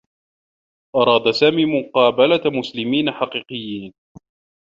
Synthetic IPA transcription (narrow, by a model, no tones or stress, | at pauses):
ʔɑɾˤɑːd̪asaːmiːmʊqɑːbalamʊslɪmiːnaħɑqiːqɨjːiːn